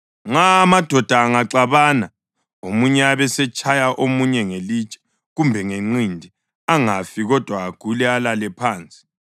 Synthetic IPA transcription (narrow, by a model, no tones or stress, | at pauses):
ŋ͡ǁaːmad̥ʱɔd̥ʱaːŋaǀaβana | omuɲɛaβɛsɛt͡ʃʼajaʔomuɲɛŋeliːt͡ʃʼɛ̥ | ɣumbʱɛŋeŋ͡ǀindʱi | aŋafiɣɔd̥ʱwaːɡ̥ʱulɛalalɛpʰaːnt͡sʼi̥